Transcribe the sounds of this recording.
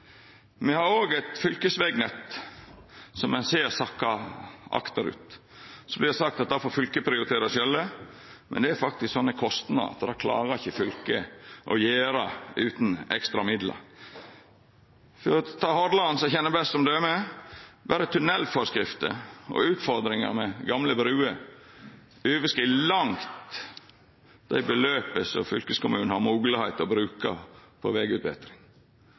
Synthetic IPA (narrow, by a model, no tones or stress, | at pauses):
mɛhɑɾoːɡɛt̪fʏlkəsʋɛɡnɛt̪ | sɔmːɛnseːɾsɑkːɑʔɑ̰kt̪ɑɾʉ̰ːt̪ | sɔblɪɾsɑkt̪ɑt̪̚d̪ɑfoːɾfʏlkəpʰɾɪʊɾɪt̪ʰeːɾɑsjœlːə | mʔɛnd̪ɛæɾfɑkt̪ɪsksɔnːəkʰɔst̪nɑ̰ɾɑ̰t̪ːd̪ɑkʰlɑ̰ːɾəɾɪçːəfʏlkəʔɔjeːɾɑʉːt̪n̩ɛ̰kst̪ɾɑmɪd̪lə̰ɾ | fɔɾɔt̪ʰɑːhɔd̪lɑnsɛçɛnːəbɛst̪sɔmd̪ʉæmɛ | ʋæːɾət̪ʰʉnɛlːfɔɾskɾɪft̪ə̰ɔ̰ʉːt̪fɔɾd̪ɾɪŋə̰ɾmɛɡɑmləbɾʉːə | ʉːʋəskiːlɑŋt̪ | d̪̥æ̰ɪbəløːpəsɔ̰fʏlkəskʊmʉːnəhɑɾmuːɡləhæɪt̪ɔbɾʉːkɑ̰pʰɔ̰ʋeɡʉt̪bɛ̰t̪ɾɪŋ